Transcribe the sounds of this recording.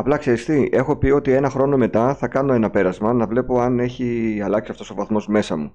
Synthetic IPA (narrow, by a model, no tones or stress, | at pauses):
ɐplɐkseɾist̪iʔe̞xo̞pio̞t̪ie̞nɐxɾo̞no̞me̞t̪ɐθɐkɐno̞e̞nɐpe̞ɾɐzmɐnɐvle̞po̞ɐne̞çiɐlɐksiɐft̪o̞sovɐθmo̞zme̞sɐmu